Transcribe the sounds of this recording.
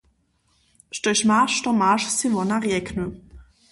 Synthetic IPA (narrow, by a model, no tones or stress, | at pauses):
ʃtɔjʃmaʃtɔmaʃsivɔnaʁjɛknu